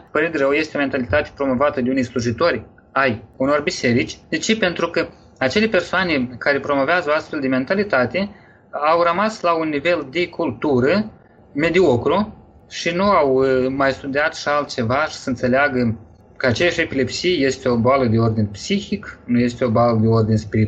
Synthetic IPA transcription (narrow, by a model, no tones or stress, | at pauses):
pəɾid̪ɾəwje̞st̪eome̞nt̪alit̪at̪e̥pɾo̞mo̞vat̪əd̪eunejsluʒit̪o̞rʲ | ajuno̞rbise̞ɾit͡ʃʲd̪et͡ʃepe̞nt̪ɾukə | at͡ʃe̞lepe̞rsoanekaɾe̞pɾo̞mo̞veazəoast̪feld̪eme̞nt̪alit̪at̪e | awrəmaslaunːive̞ld̪e̞kʰult̪uɾə | me̞d̪io̞kɾo | ʃinuawmajst̪ud̪eat̪ʃialt̪̚t͡ʃe̞vaʃi̥səɨnt̪selʲeaɡə | kəat͡ʃejaʃe̞pilepsijje̞st̪eo̞boaləd̪e̞o̞rd̪inpsixiknuje̞st̪eo̞boaləd̪e̞o̞rd̪inspiɾit̪